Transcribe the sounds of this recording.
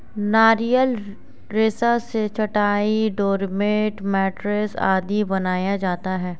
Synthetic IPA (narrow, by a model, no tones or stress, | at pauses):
naːɾijəl | ɾeːsaset͡ʃʰɐʈaːiɖoːɾmeːʈmɛːʈɾesa̰ːd̪ibɐnaːjad͡ʒaːt̪aɦɛː